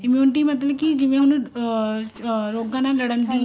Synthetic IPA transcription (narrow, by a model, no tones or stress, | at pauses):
ɪmjuːnɪʈimɐt̪ləbkid͡ʒɪʋẽɦɐn | ɾoːɡanalɐɽənt̪ĩ